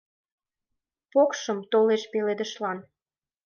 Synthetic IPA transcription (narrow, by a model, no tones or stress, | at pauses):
pokʃəmt̪oleʃpeled̪əʃlɑn